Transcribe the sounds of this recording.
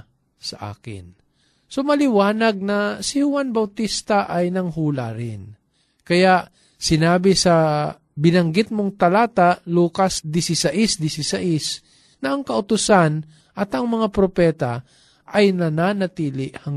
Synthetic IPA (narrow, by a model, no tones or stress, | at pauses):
sɐʔa̰ːkɪ̰n | somɐlɪwaːnɐɡ̚nɐsɪhʊwanbɐwt̪ist̪aʔajnɐŋɦuːlaɾɪn | kɐjaʔ | sɪnaːbɪsɐ | bɪnɐŋɡɪt̪̚moŋt̪ɐlaːt̪aluːkasd̪ɪsɪsɐʔɪsd̪ɪsɪsaʔɪs | nɐʔɐŋkɐʔʊt̪ʊsan | ʔɐt̪ɐŋmɐŋapɾopɛːt̪a | ʔɐjnɐnanɐt̪iːlɪʔhɐŋ